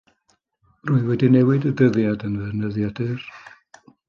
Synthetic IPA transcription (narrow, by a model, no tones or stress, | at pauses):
rʊɨwɛdinɛwɪdədəðjadənvɛnəðjadɨr